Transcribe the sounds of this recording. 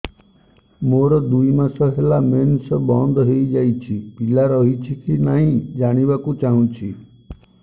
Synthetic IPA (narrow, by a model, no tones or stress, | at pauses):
moɾɔd̪uimãsɔɦelamensbɔnd̪ɦeid͡ʒait͡ʃʰipilaɾɔɦit͡ʃʰikinaɦĩd͡ʒaɽ̃ibakũt͡ʃaɦũt͡ʃʰi